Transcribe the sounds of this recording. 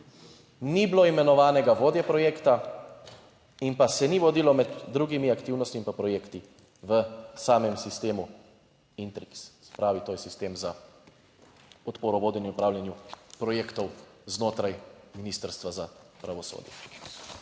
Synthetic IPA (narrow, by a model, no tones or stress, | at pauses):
nibloːimɛnɔʋaːnɛɡaʋoːd̪jɛpɾɔjeːkt̪a | inpasɛniʋɔd̪iːlɔmɛd̪ːɾuɡimiakt̪iːwnɔst̪impapɾɔjeːkt̪i | ʋəsaːmɛmsist̪eːmu | int̪ɾikssɛ̥pɾaːʋit̪oːjɛsist̪eːmza | ɔt̪poːɾɔʋoːd̪jɛniupɾaːwljanjupɾɔjeːkt̪ɔwznoːt̪ɾajminist̪əɾst̪ʋazapɾaʋɔso̰ːd̪jɛ̰